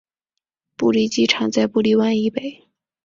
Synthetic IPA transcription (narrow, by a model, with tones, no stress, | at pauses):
pu˥˩li˥˩t͡ɕi˥˩ʈ͡ʂʰɑ˨˥ŋt͡sa˥˧ɪpu˥˧li˥˧wa˥˧ni˥˩pe˨˩˦ɪ